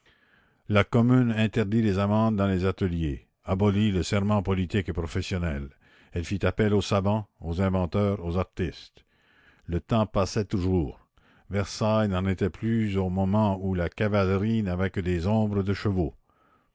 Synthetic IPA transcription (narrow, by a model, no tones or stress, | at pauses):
lakɔmynɛ̃t̪ɛʁd̪ilezamɑ̃d̪ːɑ̃lezat̪əlje | abɔliləsɛʁmɑ̃pɔlit̪ikepʁɔfɛsjɔnɛl | ɛlfit̪apɛlosavɑ̃ozɛ̃vɑ̃t̪œːʁozaʁt̪ist̪ | lət̪ɑ̃pasɛt̪uʒuːʁ | vɛʁsajnɑ̃net̪ɛplyzomɔmɑ̃ulakavalʁinavɛkəd̪ezɔ̃bʁəd̪əʃəvo